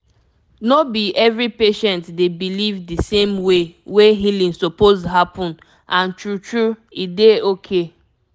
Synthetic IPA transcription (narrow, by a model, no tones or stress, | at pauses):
nobiɛvɹipeʃɛ̃ntdebilivdisẽmweweɦilĩnsopozɦapʰɔ̃n | ʔãntɹutɹuideokʰe